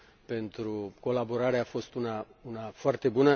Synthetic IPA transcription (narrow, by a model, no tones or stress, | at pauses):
pe̞nt̪ɾuko̞labo̞ɾaɾeafo̞st̪unaunafoart̪e̞bunə